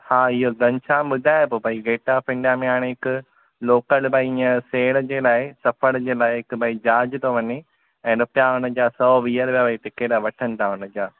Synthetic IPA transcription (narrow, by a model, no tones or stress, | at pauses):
haːɪɦoɡɐ̃ɲt͡ɕʰãːmʊd̪ʱaːjpobɐiɡeːʈapɪ̃ɳɖamẽɦaːɽ̃eɦɪkʊ̆ | loːkəlbɐiɪə̃seːɽd͡ʑeːlaːɪsɐfəɽd͡ʑeːlaːɪɦɪkbɐid͡ʑaːd͡ʑɪt̪ʰoʋɐɲe | ɛ̃ːnʊpjaʊnə̆d͡ʑaːsɔːʋiːəɾbjabɐit̪ɪkeɽaʋɐʈʰənɪ̆t̪ʰaʊnə̆d͡ʑaː